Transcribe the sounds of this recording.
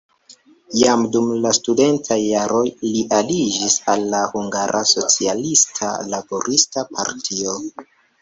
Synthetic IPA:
jamdumlastude̞ntʰajːaɾo̞jliʔalid͡ʒisalːahuŋɡaɾʔaso̞t͡sialistʰa̰labo̞ɾʔistapʰa̰ɾtʰio̞

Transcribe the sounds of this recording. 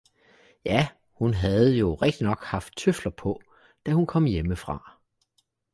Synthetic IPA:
jæ | hunɦæð̞̩ˠjo̝ʁeɡ̥̚d̥inɒ̽ɡ̥hɑ̈fd̥̚t͡sʰøflɐpʰɒ̽ | d̥æhunkʰɒ̽m̰jeməfʁɑ̈

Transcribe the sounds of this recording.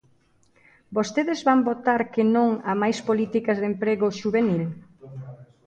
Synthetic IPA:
bost̪eðɪzβambot̪aɾkɪnõŋamajspolit̪ikɐzðempɾeɣʊʃuβenil

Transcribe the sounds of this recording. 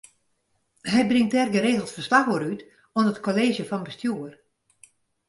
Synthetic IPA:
ɦɛjbrɪŋt̚ɛrɡəɾeːɣlˠsfərslaxoɾyt | ɔnətkoleːʒjəfɔnbəstjuər

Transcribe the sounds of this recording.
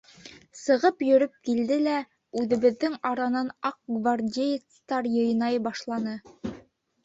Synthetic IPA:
sɤ̆ʁɤpjɵ̆ɾɵp̚kild̪ɘlæ | ʉðɘ̆βɘ̆ðːɘŋɑɾɑnɑnɑq̚ɡvardʲej̪st̪ɑɾjɤ̆jnɑjbɑʃlˠɑnɤ

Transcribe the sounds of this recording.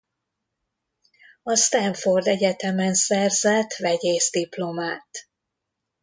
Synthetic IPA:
ɒst̪ɛɱfo̞rd̪ɛɟɛt̪ɛmɛnsɛrzɛt̪vɛɟeːzd̪iplo̞maːt̪

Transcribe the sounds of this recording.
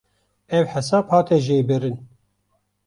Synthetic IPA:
ɛwħɛsɑːbhɑːt̪ɛʒeːbɨɾɨn

